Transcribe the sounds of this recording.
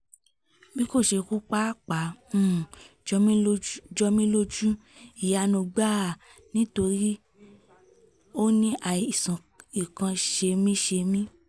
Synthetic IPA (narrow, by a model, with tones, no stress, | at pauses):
bi˦ko˦˨ʃe˧ku˦k͡pa˦k͡pã˨˦˨ | d͡ʒɔ˧mĩ˦lo˦d͡ʒu˦ | i˨ja˧nõ˧ɡ͡ba˦˨ | nĩ˦to˧ɾi˦ | o˦nĩ˦ʔa˨i˨sã˨ | i˨kã˧ʃe˧mĩ˦ʃe˧mĩ˦